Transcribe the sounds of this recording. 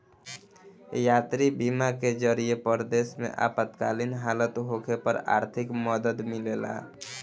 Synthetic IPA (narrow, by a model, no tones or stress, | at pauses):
jat̪ɾibimaked͡ʒəɾijepəɾd̪esmḛʔa̰pət̪kalinɦalət̪ɦokʰepəɾa̰ɾt̪ʰikməd̪əd̪milela̰